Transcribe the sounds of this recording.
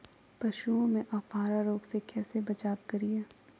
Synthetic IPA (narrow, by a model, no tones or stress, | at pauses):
pɐʃuõmẽʔɔːfaːɾaɾoːɡsekɛːsebɐt͡ʃaːb̚kɐɾijaː